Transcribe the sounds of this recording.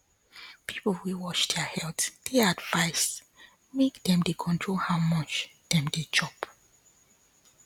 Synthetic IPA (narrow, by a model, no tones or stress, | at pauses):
pʰipl̩wiwɔt͡ʃdɛhɛltd̥eadv̥aɪs | mekdɛ̃mdekʰɔ̃ntʰɹolhaʊmʌt͡ʃd̥ɛ̃mded͡ʒɔp